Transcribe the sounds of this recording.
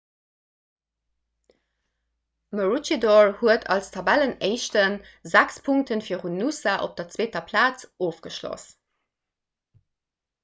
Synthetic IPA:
məɹut͡ʃidɔɹhuətʰɑ̰lstʰɑbæləneɪʃtənzækspʰuŋk̚tənfiːəʁunːusaʔo̰p̚d̥ɐt͡sweːtɐpʰlaːt͡soːfɡ̥əʃlo̰s

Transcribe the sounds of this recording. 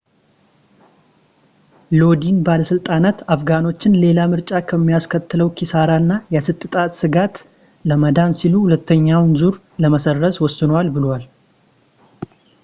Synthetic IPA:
lo̞d̪inbaləsɨlt̪ʼanat̪afɡano̞t͡ʃːɪnle̞lamɨɾt͡ʃʼakʰəmːijaskʰət̪ʰːɨləwkʰisaɾanːajasɨt̪ʼːɨt̪ʼat̪ʼsɨɡat̪ | ləməd̪ansiluhulət̪ːəɲːawnzuɾ | ləməsərːəswɔsːɨnwalbɨlwal

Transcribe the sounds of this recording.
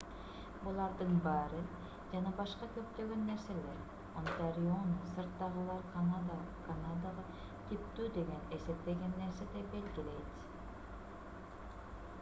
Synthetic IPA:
bulˠɑɾd̪ɯɴbɑɾɨ | d͡ʒɑnɑbɑʃqɑkʲɵp̚t̪øɡʲønːeɾseleɾ | ont̪aɾionsɨ̆ɾt̪ːɑʁəlˠɑɾkʰanad̪kʰanad̪aʁɑ | t̪ʲʰip̚t̪yd̪eɡʲenesep̚t̪eɡʲenːeɾsed̪ebelɡʲɪlet̪

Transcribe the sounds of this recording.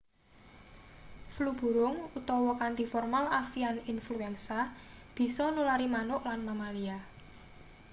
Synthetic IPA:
flub̥ṳɾʊŋut̪ɔwɔkant̪ifɔrmalafianinfluɛnsa | b̥i̤sɔnulaɾimanʊʔlanmamalia

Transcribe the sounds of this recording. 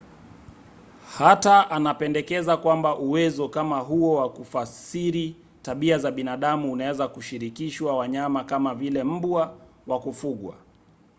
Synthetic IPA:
hataʔanapɛndɛkɛzakwambaʔuwɛzɔkamaɦuɔwakufasiɾi | taɓiazaɓinaɗamuːnawɛzakuʃiɾikiʃwawaɲamakamavilɛm̩bwa | wakufuɠwa̰

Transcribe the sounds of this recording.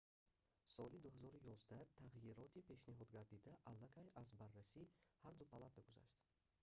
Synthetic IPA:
sɔlid̪uhazɔɾujɔzd̪at̪ʰaʁjiɾɔt̪ʰipʰe̞ʃniɦɔd̪ɡaɾd̪id̪aʔalːakʰajazbarːasihaɾd̪upʰalat̪ʰaɡuza̰ʃt̪

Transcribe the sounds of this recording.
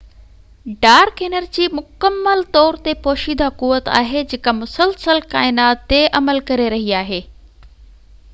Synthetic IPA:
ɖaːɾkeːnəɾd͡ʑiːmʊkəmːəlt̪ɔːɾt̪epoːʃiːd̪ʱakuːʋət̪a̰ːɦed͡ʑekamʊsəlsəlkaːɪnaːt̪ːeʔɐməlkɐɾeɾɐɦiaːɦeː

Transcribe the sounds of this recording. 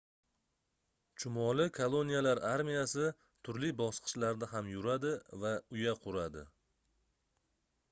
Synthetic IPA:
t͡ʃʰʊmɒlɪkʰolˠo̞nijalaɾʔaɾmijasɪ | t̪ʰʊɾlibɒsqʰɨ̥ʃlaɾd̪aɦamjʊɾad̪ɪvaʊjaqʰʊɾad̪ɪ̰

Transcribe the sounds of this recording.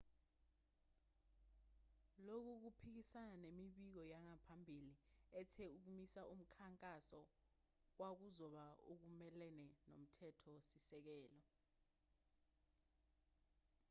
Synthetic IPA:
lok̬uk̬upʰik̬isananemiɓik̬ɔjaŋapʰambʱiliɛtʰɛuk̬umisaum̩kʰaŋkʼasɔ | wak̬uzɔɓaok̬umɛlɛnɛno̰m̩tʰɛtʰɔsisɛk̬ɛːlɔ

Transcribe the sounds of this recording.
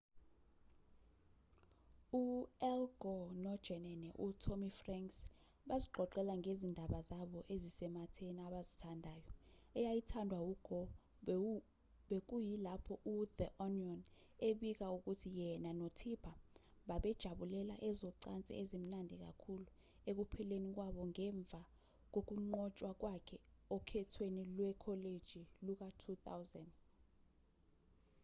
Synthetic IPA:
uɛlɡʱɔnɔd̥ʒ̥ʱɛnɛnɛʔutʰomifraŋks | ɓaziɡ͡ǃʱɔǃɛlaŋɡʱezindʱaɓazaɓɔʔezisɛmatʰeniaɓazitʰandʱaːjɔ | ɛjajitʰandʱwawuɡ̥ʱɔ | ɓek̬ʼujilapʰɔʔuðɛʔɔniɔn | eɓik̬auk̬utʰijɛnanotʰipʰa | ɓaɓɛd̥ʒ̥ʱaɓulɛla̰ʔɛzɔǀant͡sʼɛ̰ezim̩nandʱik̬a̰kʰulu | ek̬upʰɛlenik̬waɓɔŋɛɱb̪vʱa | k̬ok̬uŋ͡ǃɔt͡ʃʼwak̬wakʰɛɔkʰɛtʰwenilwɛkʰɔled̥ʒ̥ʱiluk̬atʰuta̰wzand

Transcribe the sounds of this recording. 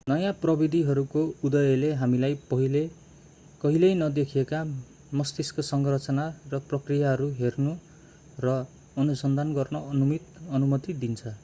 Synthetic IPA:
nʌjãprʌbid̪ʱiɦʌɾukoud̪ʌjʌleɦamilajpʌɦile | kʌɦilʌjnʌd̪ekʰijeka | mʌst̪iskosʌŋɡrʌt͡sʌnarʌprʌkrijaɦʌɾuɦernu | rʌ | ʌnusʌnd̪ʱanɡʌrnʌʌnumit̪ʌnumʌt̪id̪int͡sʰʌ

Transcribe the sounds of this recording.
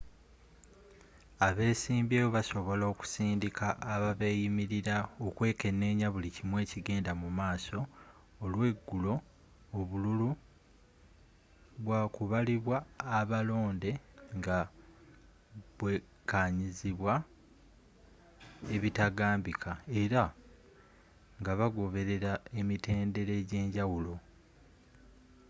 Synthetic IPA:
aβe̞ːsiːmbeːβoβaso̞βo̞lo̞ːku̥siːndikʰaʔːβaβe̞ːjimiɾiɾaokwe̞ːke̞nːe̞ːɲaβulicimwe̞ːciɡe̞ːndamumaːso̞ː | lwe̞ɡːulo̞ː | βululu | βwaːkuβaliβwaːβalo̞ːnde̞ŋɡa | βwe | kaɲiziβwa | e̞βitaɡaːmbikʰae̞ɾa | ŋɡaβaɡo̞βe̞ɾe̞ɾae̞mite̞ːnde̞ɾe̞ːɟe̞ːɲɟawulo̞

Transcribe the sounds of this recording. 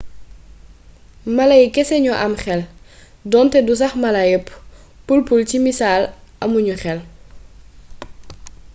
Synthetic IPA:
mɐlajkɛsɛɲɔʔɐmxɛl | dɔntɛdus̬ɐxmɐlajəp | pulpulcimisaːlʔɐmuɲuxɛl

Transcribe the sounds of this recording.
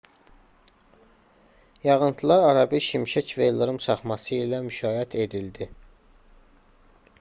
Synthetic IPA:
jɑʁɯnt̪ʰlˠɑɾɑɾɑbiʃimʃæcvelˠoɾumsʰɑχmɑsɯilæmyʃɑːɦæt̪ʰe̞d̪ild̪i

